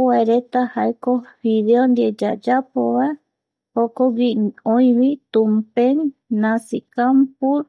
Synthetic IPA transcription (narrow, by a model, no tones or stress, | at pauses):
waeɾet̪ahaekofiðeond̪ied͡ʒa̰d͡ʒapoβae | hokoɡiõĩwit̪umpeŋnãsikampuɾ